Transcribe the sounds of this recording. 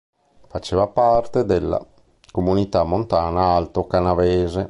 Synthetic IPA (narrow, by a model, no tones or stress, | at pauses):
fat͡ʃeːvapart̪ed̪elːa̰ | komunit̪amːont̪aːnaalt̪okanaveːze